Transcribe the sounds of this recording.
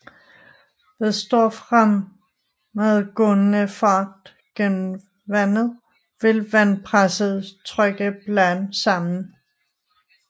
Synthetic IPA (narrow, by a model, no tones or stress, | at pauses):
ʋ̥esd̥ɔɐ̰fʁamː | eðˠɡ̥ɔnənəfɑ̈ːd̥ | ɡ̥enm̩ | ʋænð̩ˠ | ʋe̝lʋænpʰʁasəð̩ˠt͡sʰʁœɡ̥əb̥lænsɑ̈mn̩